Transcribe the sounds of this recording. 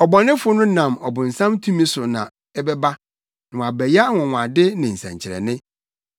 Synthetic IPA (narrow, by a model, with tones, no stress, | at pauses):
ɔ˨bɔ˨nɪ̃˦fʊ˦nʊ̃˦nã˨mɔ˨bʊ̃˨n̩˨sã˦mtʰũ˦mĩ˦sʊ˨nã˨ | ɛ˦bɛ˦ba˦ | nɪ̃˨ã˨bɛ˨ja˦ŋʊ̃˨ŋʷ˨a˨dɪ˦nɪ̃˨n̩˨sɛ̰̃˨ɲt͡ɕʰɪ˨ɾɛ̰˨nɪ̃˦